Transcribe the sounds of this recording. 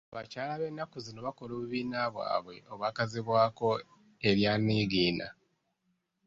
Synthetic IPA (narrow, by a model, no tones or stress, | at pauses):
βacaːlaβe̞nːakuzino̞βako̞loːβuβiːnaβwa̰ːβwe̞ʔo̞βwaːkaziβwaːko̞ | e̞ɾjaːniːɡiːna̰